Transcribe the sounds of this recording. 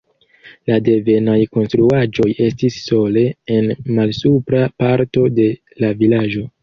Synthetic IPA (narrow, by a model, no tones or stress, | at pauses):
lade̞ve̞najko̞nstɾuad͡ʒo̞je̞stisːo̞le̞enmalsupɾapaɾto̞de̞ | lavilad͡ʒo̞